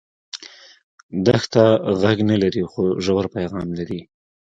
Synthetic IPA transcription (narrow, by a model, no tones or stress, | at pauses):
d̪axt̪aɣaɡnalaɾixoʒawaɾpajɣɑmlaɾi